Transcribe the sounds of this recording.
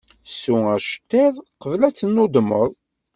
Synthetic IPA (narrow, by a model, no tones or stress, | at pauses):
sːuæʃə̥t̪ːɪðˤqəvlæt͡sːənːʊd̪məðˤ